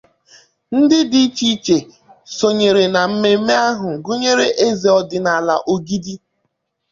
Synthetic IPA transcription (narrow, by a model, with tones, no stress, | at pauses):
n̩˦dɪ˦di˦i˦t͡ʃi˦t͡ʃe˨ | so˨ɲe˨ɾe˨na˨m̩˦me˦me˦a˦ɦʊ˨ɡu˦ɲe˦ɾe˦ʔe˦ze˨ɔ˦dɪ˨na˨la̰˨ʔo˨ɡi˦di˦